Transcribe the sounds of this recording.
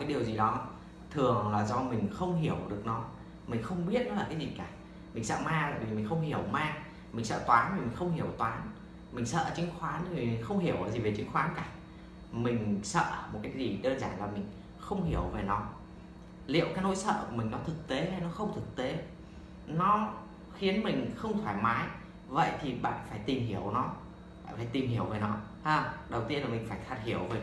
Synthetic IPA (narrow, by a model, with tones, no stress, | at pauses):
aː˨˦jɗi˨˩əwzi˨˩ɗɔ˨˦ | t̪ʰɨ˨˩əŋlaː˨˩zɔ˧mï˨˩ŋ̟xə˧wŋ͡mhi˧˩əwɗɨ˨˩ək̚nɔ˨˦ | mï˨˩ŋ̟xə˧wŋ͡mɓi˦˥ət̚nɔ˨˦laː˨˩kaː˨˦jzi˨˩kaː˧˩ | mï˨˩ŋ̟sə̰ː˧˨maː˧t̪aː˧˨jvi˨˩mï˨˩ŋ̟xə˧wŋ͡mhi˧˩əwmaː˧ | mï˨˩ŋ̟sə̰ː˧˨t̪waː˨˦nti˨˩mi˨˩ŋ̟xə˧wŋ͡mhi˧˩əwt̪waː˨˦n | mï˨˩ŋ̟sə̰ː˧˨ʔt͡ɕï˨˦ŋ̟xwaː˨˦n˧˨vi˨˩mi˨˩ŋ̟xə˧wŋ͡mhi˧˩əwʔəː˧˨˩zi˨˩ve˨˩t͡ɕi̟˨˦xwaː˨˦nkaː˧˩ | mï˨˩ŋ̟sə̰ː˧˨mo˨˩t̚kaː˨˦jk̚zi˨˩ɗəː˧nzaː˧˩nlaː˨˩mï˨˩ŋ̟ | xə˧wŋ͡mhi˧˩əwve˨˩nɔ˨˦ | lḭ˧˨əwkaː˨˦˥no˨˦jsə̰ː˧˨˩mï˨˩ŋnɔ˨˦t̪ʰɨ˨˩k̚t̪e˨˦ha˧˩jnɔ˨˦xə˧wŋ͡mt̪ʰɨ˨˩k̚t̪e˨˦ | nɔ˨˦ | xi˨˦ənmï˨˩ŋ̟xə˧wŋ͡mt̪ʰwaː˧˩jmaː˨˦j | və̰˧˨jt̪ʰi˨˩ɓa̰ː˧˨nfaː˧˩jt̪i˨˩mɦi˧˩əwnɔ˨˦ | aː˧˨faː˧˩jt̪i˨˩mɦi˧˩əwve˨˩nɔ˨˦ | haː˧˩ɗə˨˩wt̪i˧ənlaː˨˩mï˨˩ŋ̟faː˧˩jxaː˨˩t̚hi˧˩əwve˨˩